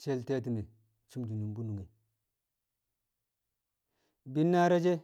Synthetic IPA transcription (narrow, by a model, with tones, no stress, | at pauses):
t͡ʃe˦lte˦t̬i˨ni˨ | t͡ʃi˦md͡ʒi˨nu˨mbu˦nu˨ŋi˨ | bi˦nːa˦ɾa˦d͡ʒe˦